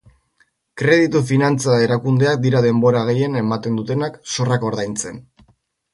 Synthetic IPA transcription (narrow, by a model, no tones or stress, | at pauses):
kɾe̞ð̞it̪ufinant͡sae̞ɾakund̪e̞ak̚d̪iɾað̞e̞mbo̞ɾaɣ̞e̞je̞ne̞mat̪e̞nd̪ut̪e̞nakso̞rako̞ɾðajnt͡se̞n